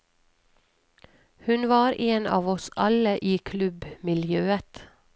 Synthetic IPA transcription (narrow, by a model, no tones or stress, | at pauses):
hʉnʋɑːɾʔeːnɑ̰ːʋɔsʔɑləʔiːkʰlʉbmɪljøːət̪